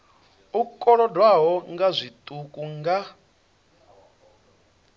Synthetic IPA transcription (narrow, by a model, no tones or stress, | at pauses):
ukʼɔɺɔdwaɦɔŋɡazʷitʼukʼuŋɡa